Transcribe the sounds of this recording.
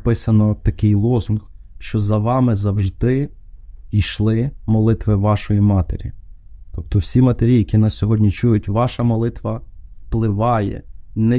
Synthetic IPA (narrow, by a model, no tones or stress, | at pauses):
pɪsɐnɔt̪ɐkɪjlˠɔzʊnxʃt͡ʃɔzɐʋɑmɪzɐwʒd̪ɪ | iʃlˠɪmɔlˠɪt̪ʋɪʋɑʃɔjimɑt̪ḛɾʲḭt̪ɔp̚t̪ɔwsʲimɐt̪eɾʲijɐkʲinɐssʲɔɦɔdʲnʲit͡ʃujʊtʲʋɑʃɐmɔlˠɪt̪ʋɐwplˠɪʋɑjɛ̰nɛ